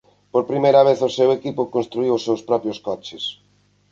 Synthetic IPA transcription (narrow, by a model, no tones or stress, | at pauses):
poɾpɾimejɾɐβeθʊsewekipʊkõnst̪ɾuiwʊsːewspɾɔpɾjoskɔt͡ʃɪs